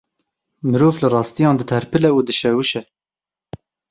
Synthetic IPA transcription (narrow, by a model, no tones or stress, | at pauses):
mɨɾoːvlɨrɑːst̪ijɑ̃ːnd̪ɨt̪ʰɛɾpʰɨlɛuːd̪ɨʃɛwɨʃɛ